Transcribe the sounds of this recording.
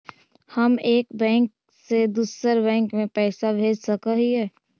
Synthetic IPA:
hɐmeːkbɛ̃ːŋk̚ | sed̪uːsəɾbɛ̃ːŋkmẽpɛːsabʱeːd͡ʒsəkəɦiɦɛː

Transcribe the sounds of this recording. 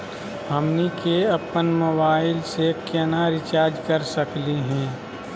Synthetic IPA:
ɦəmnikeɐpənmobaːɪlsekɛnaɾɪt͡ʃaːɾd͡ʒkəɾsəkliɦɛ̃ː

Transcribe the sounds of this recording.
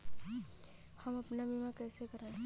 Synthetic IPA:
hɐmɐpnabimakɛːsekɐɾẽ

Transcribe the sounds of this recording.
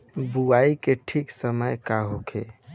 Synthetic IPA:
buaikeʈʰiksəməjkaɦokʰḛ

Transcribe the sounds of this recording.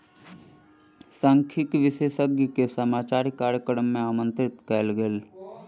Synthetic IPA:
sãŋkʰɪkʋɪʃeːʃəɡjkesəmaːt͡ʃaːɾikaːɾjəkəɾəmːẽaːmə̃nt̪ɾɪt̪kɛːlɡeːl

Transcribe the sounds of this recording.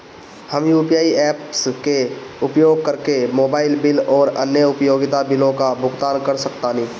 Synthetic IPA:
həmjuːpjaːiɛːpskeʊpjoːɡ̚kəɾkemoːbaːɪlbɪlɔːɾə̰njəʊpjoːɡɪt̪abɪlõkabʱʊɡt̪aːnkəɾsəkt̪anɦĩː

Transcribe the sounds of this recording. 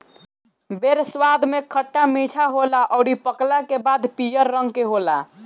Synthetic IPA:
beɾsʋad̪ʱmekʰəʈːamiʈʰaɦolaʔəʊɽipəklɛkebad̪pijəɾːəŋɡkeɦola

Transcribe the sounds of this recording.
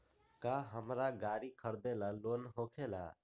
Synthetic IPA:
kaːɦəmɾaːɡaːɾiːkʰəɾd̪eːlaːloːnɦoːkʰeːla̰ː

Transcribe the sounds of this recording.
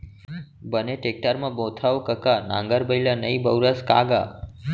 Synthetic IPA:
bəneʈek̚ʈəɾmãbot̪ʰawkəkanã̰ŋɡəɾbəilanəibəwɾəska̰ɡa̰ː

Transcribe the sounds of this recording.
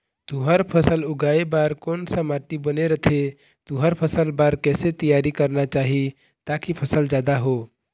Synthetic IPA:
t̪uɦəɾpʰəsəluɡaebaɾkonsəmaʈibəneɾət̪ʰe | t̪uɦəɾpʰəsəlbaɾkɛset̪ijaɾikəɾnat͡ʃaɦi | t̪akipʰəsəld͡ʒad̪aɦo

